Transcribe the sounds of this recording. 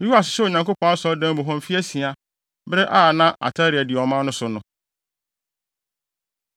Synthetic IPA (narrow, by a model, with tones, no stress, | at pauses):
u˦a˨sɪ̥˨sɛ˦o˨ɲã˨ŋko˦pʰɔ̃˦a˦sɔ˦dã˦m˦bʊ˨ɦɔ̃˦m˨fi˦æ˦si˨a˨ | bɾɛ˦ʔaː˦˨nã˦ʔa̰˨tʰa˦ɾi˨æ˨dɪ˨ɔ˨mã˦nʊ̃˦sʊ˨nʊ̃˨˦